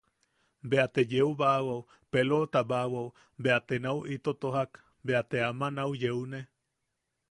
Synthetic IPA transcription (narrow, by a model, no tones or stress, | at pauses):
beat̪ejeuβawaw | pelot̪abawau | beat̪enauʔit̪ot̪oɦak | beat̪eamanawjeune